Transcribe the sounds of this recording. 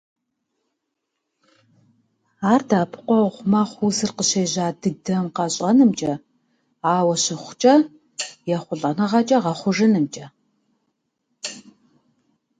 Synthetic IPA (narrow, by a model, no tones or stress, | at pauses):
aːrdaːpʰqʷɔʁʷmɐχʷuzɨrqəɕeːʑaːdɨdɐmqɑɕʼɐnɨmt͡ʃʼɐ | aːwɐɕɪχʷt͡ʃʼɐ | jɛχʷʊɮʼɐnɐʁɐt͡ʃʼɐʁɐχʷʊʐɨnɨmt͡ʃʼɐ